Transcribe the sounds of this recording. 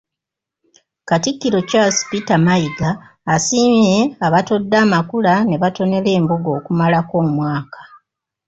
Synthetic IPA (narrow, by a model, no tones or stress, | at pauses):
katikːiɾo̞caspitamaiɡaː | siːmje̞aβato̞dːaːmakulane̞βato̞ne̞le̞ːmbuɡo̞ːkumalako̞ːmwaːkḁ